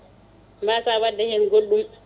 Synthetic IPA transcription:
mbasawadːɛhɛnɡolːum

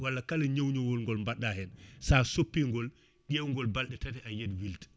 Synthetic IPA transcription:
walːakalɐɲowɲowɔlŋɡɔlmbaɗːahɛnsasopːiːŋɡɔl | ɗʲewŋɡɔlbalɗɛtatɛʔanjedwilt

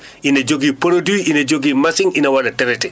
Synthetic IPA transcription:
ined͡ʒoɡipoɾoduiʔined͡ʒoɡimasɪŋinawalatɛɾɛtɛ

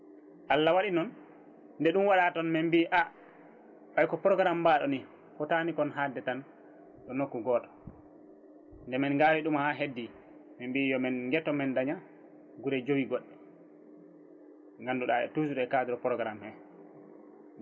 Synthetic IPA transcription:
ʔalːawaɗinɔn | ndɛɗumwaɗatɔnmɛmbiʔa | ɓajkɔpɾɔɡɾambaɗɔni | fɔtanikɔnɦadɛtan | ɗɔnokːuɡɔːtɔ̥ | ndɛmɛnɡaːɾiɗumhaɦedːi | mɛmbijɔmɛnŋɡɛtːɔmɛndaɲa | ɡuɾɛd͡ʒowiɡɔɗːɛ | ŋɡanduɗaɛ̰tusuɗɔɛkadiɾɔpɾɔɡɾamhɛ

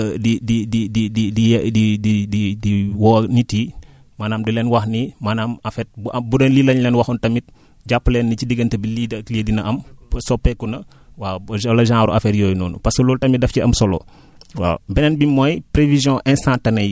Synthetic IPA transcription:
didididididididididiwɔniti | maːnaːmdilɛːnwɐxnimanaːmɐfɛt̚bɐbudɐnlilɐɲlɛnwɐxuntɐmit̚ | ɟapːəlɛːnːicidiɡɐntɐbilidɐledinɐʔɐmpsɔpːɛkːunɐ | waːʒɔlɐʒãːɾuʔɐfɛtjɔːjnɔːnṵpɐsɐlɔːltɐmidɐfciɐmsɔlo̰ | wa̰bɛnɛnbimɔjpɾevizjɔ̃ʔɛ̃stãtɐnɐj

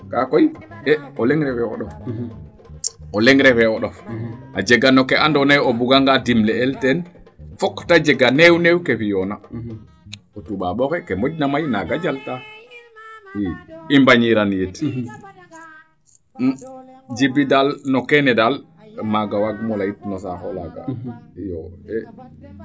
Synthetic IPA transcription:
kakɔjɛɔlɛŋɾɛfɛɔ̰ɗɔf | ʔɔlɛŋɾɛfɛɔɗɔfʔad͡ʒɛɡanːɔkɛʔandɔnajɔbuɡaŋɡadimlɛɛltɛn | fɔkːtad͡ʒɛɡanɛwnɛwkɛfijɔna | ɔtuɓaɓɔkɛkɛmod͡ʒnamajnaɡad͡ʒalta | iimbaɲiɾanjit | d͡ʒibidalnɔkɛnɛdal | maɡawaɡmɔlajitnɔsakɔ̰laɡa̰jɔ̰ɛ

